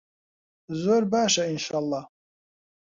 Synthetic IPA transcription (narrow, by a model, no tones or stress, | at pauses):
zʷorbaʃainʃalˠːɑh